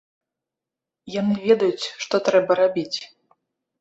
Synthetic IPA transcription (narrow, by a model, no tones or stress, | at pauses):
janɨvʲɛd̪ɐjut͡sʲʂt̪ɔt̪ɾɛbɐɾabʲit͡sʲ